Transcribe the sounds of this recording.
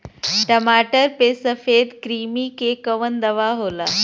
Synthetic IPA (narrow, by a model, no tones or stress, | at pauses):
ʈəmaʈəɾpesəfed̪kɾiːmikekəʋənd̪əʋaɦola